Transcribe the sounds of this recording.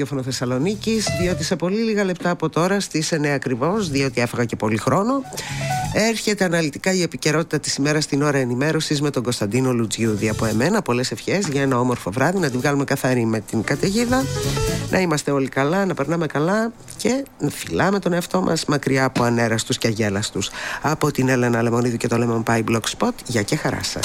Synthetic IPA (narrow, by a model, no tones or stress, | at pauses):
ofonoθesɐlo̞nicizðio̞t̪ise̞po̞liliɣɐle̞p̚t̪ɐːpo̞t̪o̞ɾɐst̪ise̞neɐkɾivo̞sðio̞t̪iefɐɣɐce̞po̞lixɾo̞no̞ | e̞ɾçe̞t̪e̞ɐnɐlit̪ikɐie̞pice̞ɾo̞t̪i̥t̪ɐt̪i̥sime̞ɾɐst̪ino̞ɾɐenime̞ɾo̞sizme̞t̪o̞ŋɡost̪ɐnd̪ino̞lud͡zʝuðiɐpo̞e̞me̞nɐpo̞le̞se̞fçe̞zʝɐe̞nɐo̞mo̞ɾfo̞vɾɐðinɐt̪ivɣɐlume̞kɐθɐɾime̞t̪iŋkɐt̪e̞ʝiðɐnʔɐimɐst̪e̞o̞likɐlɐnɐpe̞ɾnɐme̞kɐlɐ | ce̞nɐfilɐme̞t̪o̞neɐft̪o̞mʔɐ̰zmɐkɾiɐːpo̞ɐne̞ɾɐst̪usceɐʝe̞lɐst̪usɐpo̞t̪ine̞lenɐle̞mo̞niðucet̪o̞lemompɐiblokspo̞t̪ʝɐcexɐɾɐ̰sɐ̰s